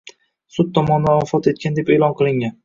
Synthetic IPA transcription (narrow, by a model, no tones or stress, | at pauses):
sʊt̪̚t̪ːʰɒmɒnd̪anɒfɒt̪e̞t̪̚kʲand̪e̞peːlˠɒnqʰɨlˠɪŋʲan